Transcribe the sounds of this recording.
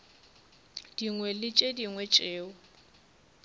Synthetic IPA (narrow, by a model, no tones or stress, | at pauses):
d̥iŋwɛlɪt͡ʃʼediŋwɛt͡ʃʼeːʊ